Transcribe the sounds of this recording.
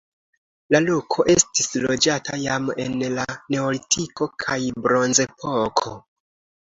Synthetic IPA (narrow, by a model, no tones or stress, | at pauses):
lalokʰo̞ʔe̞stislo̞d͡ʒatʰajame̞̰nlane̞olitʰiko̞kʰajbɾo̞nze̞pʰo̞kʰo